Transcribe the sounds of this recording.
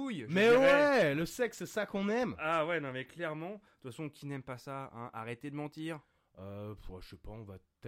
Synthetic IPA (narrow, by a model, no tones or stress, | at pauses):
ujmɛwɛləsɛksɛsakɔ̃nɛmawɛnɔ̃mɛklɛʁmɑ̃d̪̥t̪fasɔ̃kʲʰinɛmpasaɛ̰̃ʔa̰ʁet̪ed̪əmɑ̃t̪iːʁ | øpa̰ʃɛpaɔ̃vat̪